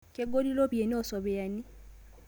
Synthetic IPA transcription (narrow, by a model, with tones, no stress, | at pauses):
ke˦ɡo˦di˦lo˦βje˨n˦ɔ˦˨sɔ˨βe˨ja˨ni˦